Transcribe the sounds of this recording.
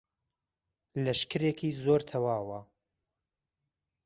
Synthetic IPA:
lɐʃkɨɾekʰiːzoːɾt̪ʰɐwaːwɐ

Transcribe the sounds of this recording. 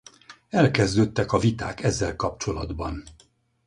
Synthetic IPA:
ɛlkɛzd̪øːt̪ːɛkɒvit̪a̰ːkɛzːɛlkɒp̚t͡ʃo̞lɒd̪bɒn

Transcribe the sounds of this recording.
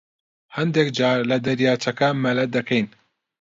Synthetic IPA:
hɐnd̪ekd͡ʒaːɾlɐd̪ɐɾjaːt͡ʃɐkɐmɐlɐt̪̚d̪ɐkʰɛjn

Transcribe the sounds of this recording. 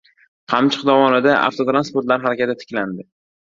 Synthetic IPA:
qʰɑmt͡ʃʰɨ̥qd̪ɒvɒnɪd̪aʔa̰ft̪ʰot̪ɾanspoɾt̪laɾɦaɾakʲat̪ɪt̪ʰɪ̥kʲland̪ɪ

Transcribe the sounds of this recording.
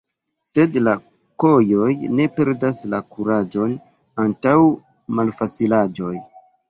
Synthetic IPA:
se̞dla | ko̞jo̞jne̞pe̞ɾdaslakuɾad͡ʒo̞n | antaw | malfat͡silad͡ʒo̞j

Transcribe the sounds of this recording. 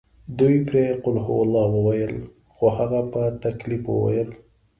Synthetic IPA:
d̪ujpɾeqʊlɦʊwalɑwəwajəl | χohaɣapət̪aklipwə̰wa̰jəl

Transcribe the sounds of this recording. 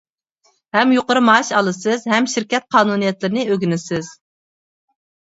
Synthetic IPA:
hɛmjoqəɾɨmɑʃɑlˠɨsɨzɦɛmʃiɾkʲɛt̪̚qʰɑːnunijɛt̪lɪɾɪnɨøɡʲynɪsɪz̥

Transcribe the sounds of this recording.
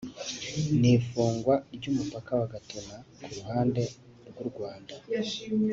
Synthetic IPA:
nifuːŋɡwaibɟumupakawaɡatona | kʰuɾuhaːnde̞ | ɾɡwuɾɡwaːnda

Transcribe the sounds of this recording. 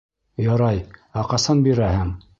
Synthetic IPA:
jɑɾɑjɑqɑsɑnbiɾæhɘŋ

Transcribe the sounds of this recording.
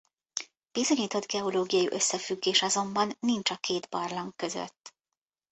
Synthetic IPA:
b̥izo̞ɲiːt̪o̞d̪ɡɛoloːɡijɒjiʔø̞sːɛfyɡːeːʃɒzo̞mbɒnːint͡ʃɒkeːd̪bɒrlɒŋkːø̞zø̰t̪ː

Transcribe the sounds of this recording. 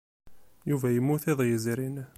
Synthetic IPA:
juvæjəmːuθeðˤjəziɾin

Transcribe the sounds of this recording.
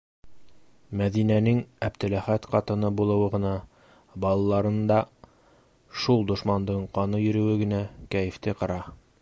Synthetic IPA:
mæðinænɘŋæp̚t̪ɘ̆læχæt̪qɑt̪ɤ̆nɤbulˠɤ̆wɤ̆ʁɤ̆nɑ | bɑlˠɑlˠɑɾɤ̆nd̪ɑ | ʃulˠd̪ŏʃmɑnd̪ɤɴqɑnɤjɵ̆ɾɵ̆wɘɡɘ̆nækæjɘ̆ft̪ɘqɤ̆ɾɑ

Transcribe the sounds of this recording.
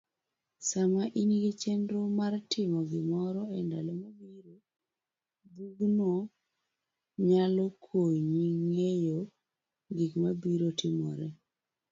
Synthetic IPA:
samaʔiniɡit͡ʃɛndɾomartɪmɔɡɪmɔɾɔɛndalomabiɾo | buɡno | ɲalokʰoɲiŋejo | ɡikmabiɾotʰɪmɔ̰ɾɛ

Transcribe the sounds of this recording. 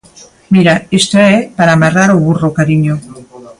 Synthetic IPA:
miɾaest̪oepaɾamaraɾoβurokaɾiɲo

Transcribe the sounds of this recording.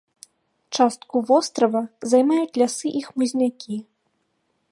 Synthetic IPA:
t͡ʂast̪̚kuvɔst̪ɾɐvɐzajmajut͡sʲlʲasɨʔixmuzʲnʲakʲʰi

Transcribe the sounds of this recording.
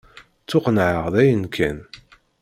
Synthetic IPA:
t͡sːʊqnʕəʁðæjənkʰæn

